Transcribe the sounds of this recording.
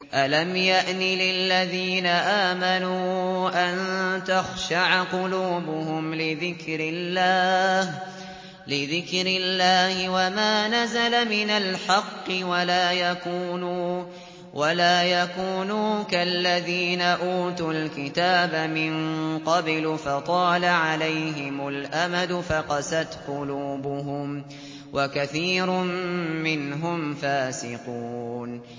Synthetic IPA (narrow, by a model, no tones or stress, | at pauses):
ʔalamjaʔnɪlɪllːaðiːnaʔaːmanuːʔant̪axʃaʕqʊluːbʊhʊmlɪðɪkɾɪlːaːh | lɪðɪkɾɪlːaːhɪwamaːnazalamɪnalħɑqːɨwalaːjakuːnu | wʔalaːjakuːnuːkalːaðiːnaʔuːt̪ʊlkɪt̪aːbamɪnqɑblʊfɑt̪ˤɑːlaʕalajɦɪmʊlʔamad̪ʊfaqɑsat̪qʊluːbʊɦʊm | wʔakaθiːɾʊmːɪnɦʊmfaːsɪquːn